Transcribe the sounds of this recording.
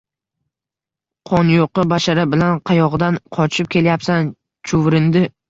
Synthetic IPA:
qʰɒnjoqɨbaʃaɾɪbɪlanqʰɑjɒʁɨd̪anqʰɒt͡ʃʰɪp̚kʲe̞ljapsan | t͡ʃʰʊvɾɪnd̪ɪ

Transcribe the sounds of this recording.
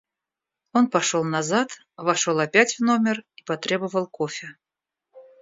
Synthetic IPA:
o̞npɐʂolˠnɐzat̪ | vɐʂo̞lˠɐpʲætʲvno̞mʲɪripɐt̪ɾʲe̞bəvəlˠkofʲɪ

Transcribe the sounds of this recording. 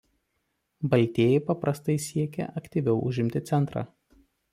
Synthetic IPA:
bɐlʲt̪ʲeːjɛɪpɐpɾɐst̪ɐɪsʲiɛkʲɛ̰ʔɐkt̪ʲiʋʲɛʊʔʊʒʲɪmʲt̪ʲɪt̪sʲɛnt̪ɾɑ̰ː

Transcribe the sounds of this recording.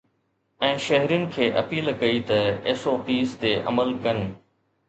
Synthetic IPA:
ɛ̃ːʃɐɦɾijʊnɪ̆kʰeːʔɐpiːlkɐit̪ɐeːsoːpiːst̪eʔɐ̰məlkɐn

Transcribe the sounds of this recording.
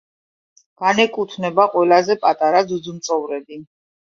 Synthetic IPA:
ɡ̥anɛkʼut̪ʰnɛbaqʼwɛlazɛpʼat̪ʼaɾad̪zud̪zumt̪sʼɔvɾɛbi

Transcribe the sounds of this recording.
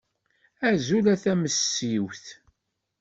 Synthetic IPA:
æzulæθæməsːiwθ

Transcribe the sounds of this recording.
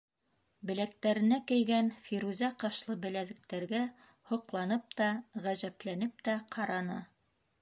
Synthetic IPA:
bɘ̆læk̚t̪æɾɘ̆nækɘ̆jɡænfiɾuzʲæqɑʃlˠɤbɘ̆læðɘ̆k̚t̪æɾɡæ | hŏqlˠɑnɤp̚t̪ɑʁæʑæplænɘp̚t̪æqʰɑɾɑnɑ

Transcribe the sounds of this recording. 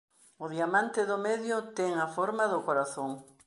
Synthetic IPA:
ʊðiamãnt̪ɪðʊmeðjʊt̪ɛŋafoɾmaðʊkoɾaθoŋ

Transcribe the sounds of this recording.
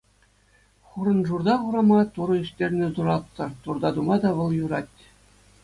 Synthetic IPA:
χuɾɤ̆nʐurd̪ɑχuɾɑmɑt̪uɾɤ̆iʂtʲerʲnʲɘ̆zuɾɑt̪ːɤ̆t̪urd̪ɑd̪umɑd̪ɑʋɤ̆lˠjuɾɑtʲː

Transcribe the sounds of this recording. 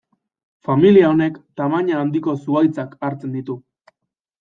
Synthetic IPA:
familiao̞ne̞kt̪amaɲaːnd̪iko̞suajt͡sakaɾt͡se̞nd̪it̪u

